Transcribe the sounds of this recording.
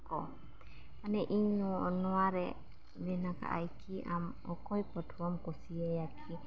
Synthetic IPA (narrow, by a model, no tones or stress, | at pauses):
kɔ | anɛʔiɲnunɔaɾɛ | nɛnaka̰ʔa̰jkʰiʔam | ɔkɔjpətʰuamkɔsiɛjakʰi